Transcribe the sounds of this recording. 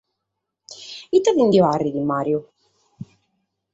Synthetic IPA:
it̪ːavind̪iarːid̪imːaːɾju

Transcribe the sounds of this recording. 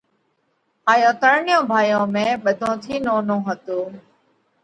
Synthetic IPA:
aːjõːt̪əɾɳɪjõːbʱaːjõːmẽːɓəd̪ʱõːt̪ʰiːnoːnõːɦət̪oː

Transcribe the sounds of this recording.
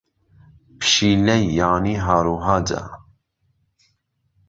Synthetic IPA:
pʰʃiːlɛjːaːniɦaːɾuːɦaːd͡ʒa̰

